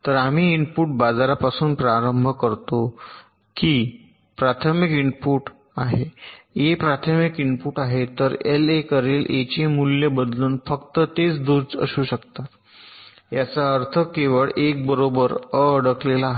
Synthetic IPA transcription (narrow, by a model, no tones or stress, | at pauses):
t̪əɾamiːiɳpuʈ̚bad͡zaɾapasuːnpɾaɾəmbʱəkəɾt̪o | kiː | pɾat̪ʰəmikiɳpuːʈ | aɦejepɾat̪ʰəmikiɳpuːʈaɦet̪əɾelekəɾelʔet͡ɕemulːjebəd̪luːnfəkt̪ət̪et͡sd̪ud͡zə̰ɕuːɕəkt̪at̪ | jat͡saəɾt̪ʰəkeʋəɭek̚bəɾobəɾəəɽəklelaɦ